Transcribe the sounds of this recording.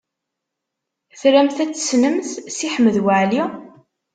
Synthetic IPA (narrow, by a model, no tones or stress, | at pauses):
θɾæmθæt͡sːə̥snəmθsiħəmːəðwaʕli